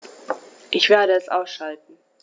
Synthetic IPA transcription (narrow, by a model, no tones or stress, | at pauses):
ʔɪçv̥eːɐɾəɛsʔaʊsʃaltn̩